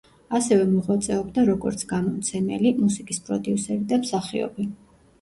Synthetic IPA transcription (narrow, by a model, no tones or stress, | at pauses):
asɛvɛmɔʁwat̪sʼɛɔbd̪aɾɔɡɔ̰ɾt̪sʰɡamɔmt̪sʰɛmɛ̰limusikʼispʼɾɔd̪iusɛɾid̪amsaχḭɔ̰bi